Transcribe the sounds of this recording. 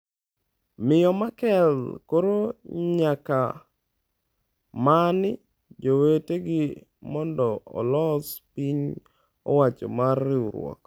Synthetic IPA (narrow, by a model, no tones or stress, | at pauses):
mɪjɔmakɛlkoɾoɲaka | manɪ | d͡ʒoweteɡɪ | mɔndɔɔ̰lɔspiɲ | ɔ̰wat͡ʃɔ̰marɪuɾwɔ̰k